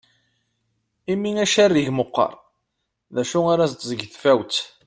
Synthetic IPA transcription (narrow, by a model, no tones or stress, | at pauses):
imiŋæʃærːiʝməqːɑ̰ɾˤ | ðæʃuaɾæzt̪zəɡθfæwt̪